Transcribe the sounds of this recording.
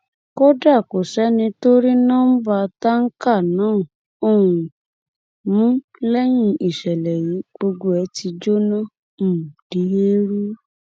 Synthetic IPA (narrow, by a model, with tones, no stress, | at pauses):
ko˦da˦˨ko˨sɛ˦nĩ˧to˦ɾi˦nɔ̃˦m̩˦ba˧ta˦ŋ̩˦ka˦˨nãː˦˨ | o˦˨ũ˨ | mũ˦ | lɛ˦ɲ̃ĩ˧ʔi˨ʃɛ˨lɛ˨ji˨˦ɡ͡bo˧ɡo˦ɛ˧˦ti˧d͡ʒo˦nɔ̃˦˨ | m̩˦˨d̥i˨˦ɦe˦ɾu˦